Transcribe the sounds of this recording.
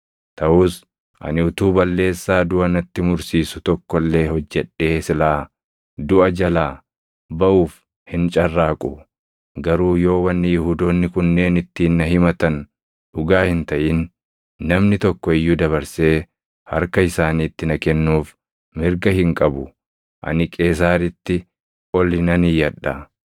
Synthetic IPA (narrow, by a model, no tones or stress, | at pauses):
t̪ɐʔʊːs | ʔɐ̰nɪʊt̪uːbɐlːe̞ːsːaːd̪ʊɐnɐt̪ːɪmʊɾsiːsʊt̪ɔkːɔlːe̞ːhɔd͡ʒːɛᶑːe̞ːsɪlaː | d̪ʊʔɐd͡ʒɐlaː | bɐʔuːf | hɪnt͡ʃʼɐrːaːkʼʊ | ɡɐɾuːjo̞ːwɐnːɪjʊhuːd̪oːnːɪkʊnːe̞ːnɪt̪ːiːnːɐɦɪmɐt̪ɐn | ᶑʊɡaːhɪnt̪ɐʔɪnː | ɐmnɪt̪ɔkːɔɪjːʊd̪ɐβɐɾse̞ː | hɐ̰ɾkɐɪsaːniːt̪ːɪnɐkɛnːuːf | mɪɾɡɐhɪŋkʼɐbʊ | ʔɐ̰nɪkʼeːs̬aːɾɪt̪ːɪ | ʔɔlɪnɐnɪjɐᶑːa̰